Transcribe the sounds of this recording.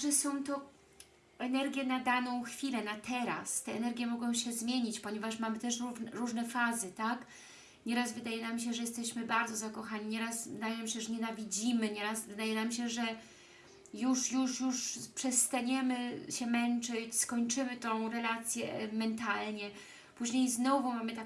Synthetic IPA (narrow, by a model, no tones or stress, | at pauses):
ʐɛsɔ̃w̃t̪ɔ | ɛnɛɾɡʲjɛnad̪anɔ̃w̃xfʲilɛnat̪ɛɾa̰st̪ɛɛnɛɾɡʲjɛmɔɡɔ̃w̃ɕɛzmʲjeɲit͡ɕpɔɲɛvaʂmamɘt̪ɛʂɾuɾuʐnɛfazɘt̪ak | ɲɛɾazvɘd̪ajɛnamɕ̬ɛʐɛjɛst̪ɛɕmɘbaɾd̪zɔzakɔxaɲiɲɛɾasvd̪ajɛm̃ɕɛʐɛɲɛnavʲid͡ʑimɘɲɛɾasvɘd̪ajɛnamɕɛʐɛ | juʂjuʂjuʂpʂɛst̪aɲɛmɘɕɛmɛnt͡ʂɘt͡ɕskɔɲt͡ʂɘmɘt̪ɔ̃w̃ɾɛlat̪sʲjɛmɛnt̪alɲɛ | puʑɲejznɔvumamɘt̪a